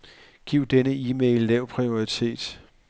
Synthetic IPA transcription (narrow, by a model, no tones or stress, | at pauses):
ɡ̥iʊ̰d̥enəiːmeɪlːɛʊ̰pʰʁio̝it͡sʰe̝̰ːd̥